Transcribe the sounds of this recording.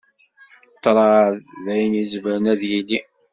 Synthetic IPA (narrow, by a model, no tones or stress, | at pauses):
t̪ːɾˤɑððæjənjizəvɾənæðjilːi